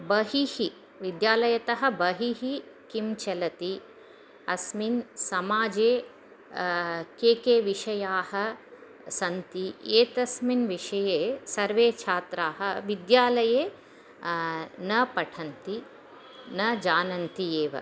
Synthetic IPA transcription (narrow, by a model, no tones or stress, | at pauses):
bɐɦihi | ʋid̪jaːlɐjɐt̪ɐɦɐ̆bɐɦiɦikimt͡ʃɐlɐt̪i | ɐsminsɐmaːd͡ʒeː | keːkeːʋiʃɐjaːhɐ | sɐnt̪ieːt̪ɐsminʋiʂɐjeːsɐɾʋeːt͡ʃʰaːt̪ɾaːɦɐʋid̪jaːlɐjeː | nɐpɐʈʰɐnt̪i | nɐd͡ʒaːnɐnt̪ieːʋɐ̰